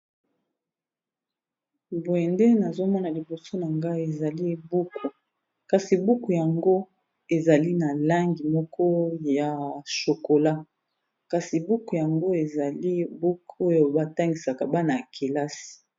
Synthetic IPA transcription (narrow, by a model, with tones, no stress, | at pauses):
bwɛ˨nde˦na˨zo˦mɔ˦na˨li˨bo˨so˦na˨ŋɡa˦i˦˨e˨za˨li˦bu˦kʰu˨ | ka˨si˨bu˦ku˨ja˨ŋɡo˦ | e˨za˨li˦na˨la˦ŋɡi˨mɔ˦kʰɔ˦ja˨ʃo˨ko˨la˦ | ka˨si˨bu˦ku˨ja˨ŋɡo˦e˨za˨li˦bu˦ko˦jo˦ba˦ta˦ŋɡi˨sa˨ka˨ba˦na˨kʰi˨la˦si̥˨